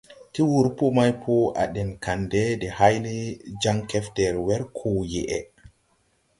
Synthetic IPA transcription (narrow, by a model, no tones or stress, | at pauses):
tiwuɾpɔmajpʰɔa̰ɗɛnkandɛdɛhajlid͡ʒaŋkɛftɛɾwɛɾkʰɔjɛʔɛ